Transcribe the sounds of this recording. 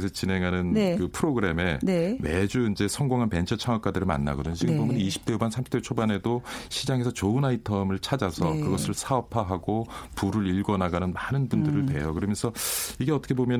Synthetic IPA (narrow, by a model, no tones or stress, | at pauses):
sʰʌt͡ɕine̞ŋɦanɯnnkɯpʰɯɾoɡɯɾe̞me̞nemed͡ʑuind͡ʑe̞sʰʌŋɡoŋɦanpe̞nt͡ɕʰʌt͡ɕʰaŋwak͈adɯɾɯɭma̰nːa̰ɡʌdɯɲot͡ɕiɡɯbomjʌnniɕʰi̥p̚t͈eumansʰamʰt͈et͡ɕʰobane̞doɕʰid͡ʑaŋe̞sʰʌt͡ɕoɯnaitʰʌmɯɭt͡ɕʰad͡ʑasʰʌkɯɡʌsʰɯɭsʰaʌpʰaɦaɡopuɾɯɾiɭɡʌnaɡanɯnmanɯnbundɯɾɯntwe̞̰jokɯɾʌmjʌnsʰʌiɡe̞ʌt͈ʌ̥kʰe̞bomjʌn